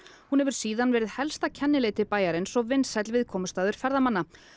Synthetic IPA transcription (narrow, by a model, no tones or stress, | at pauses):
hunhɛvʏɾ̥siːðanvɛːɾɪðhɛlst̪acʰɛnːɪleːt̪ɪpaːjaɾɪnsɔɣvɪnːsɛt̪lvɪðkʰɔːmʏst̪aːðʏɾ̥fɛɾðamanːa